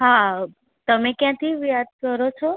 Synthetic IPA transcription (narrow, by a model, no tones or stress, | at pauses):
ɦa | t̪əmekjãt̪ʰiʋjad̪̚kəɾot͡ʃʰɔ